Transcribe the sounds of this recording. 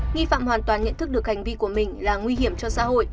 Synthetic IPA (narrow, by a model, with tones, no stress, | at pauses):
ŋi˧fa̰ː˧˨mhwaː˨˩nt̪waː˨˩nɲə̰˧˨nt̪ʰk̚ɗɨ˨˩ək̚ha˨˩jŋ̟vi˧ku˧˩əmï˨˩ŋ̟laː˨˩ŋwi˧ɦi˧˩əmt͡ɕɔ˧sa̰ː˧˥ho̰˧˨j